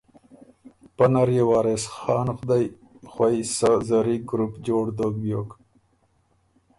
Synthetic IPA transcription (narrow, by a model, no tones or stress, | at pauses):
panaɾjewɑːɾesxɑːnxd̪aj | xwajsazaɾiɡɾupd͡ʒoːɽd̪oːɡ̚bjoːk